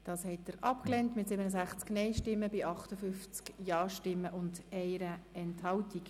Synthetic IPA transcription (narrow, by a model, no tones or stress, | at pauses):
d̥ɑːshɛtːəɾɑpklɛntmɪtsɪbənəsæχt͡sknɛɪʃtɪmːəbɪʔɑχtəfʏft͡skjɑːʃtɪmːəʔʊndɛɪɾəɛnthɑwtik